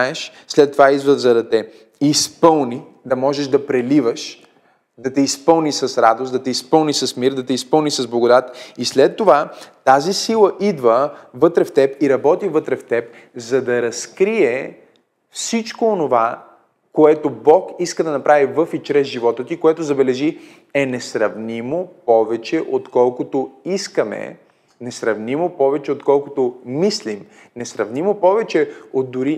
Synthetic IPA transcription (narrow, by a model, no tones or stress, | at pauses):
aɛʃslɛt̪ːovaid̪vəzɐd̪ɐt̪ɛ | ispɤlˠni | d̪ɐmɔʒɛʃd̪ɐpɾɛlivəʃ | d̪ɐt̪ɛispɤlˠnisɐsɾad̪osd̪ɐt̪ɛispɤlˠnisɐsmiɾd̪ɐt̪ɛispɤlˠnisɐzblˠɐɡod̪at̪islɛt̪ːovat̪azisilˠəʔid̪vəvɤt̪ɾɛft̪ɛpiɾɐbɔt̪ivət̪ɾɛft̪ɛp̚ | zɐd̪ɐɾɐskɾiɛ | fsit͡ʃkoːnova | koɛt̪obɔkiskəd̪ɐnɐpɾʔavivɤfit͡ʃɾɛzʒivɔt̪ət̪ikoɛt̪ozɐbɛlɛʒi | ɛnɛsɾɐvnimopɔvɛt͡ʃɛʔot̪kɔlˠkot̪oiskɐmɛ̰ | nɛsɾɐvnimopɔvɛt͡ʃɛot̪kɔlˠkot̪omislim | nɛsɾɐvnimopɔvɛt͡ʃɛot̪d̪ʊɾi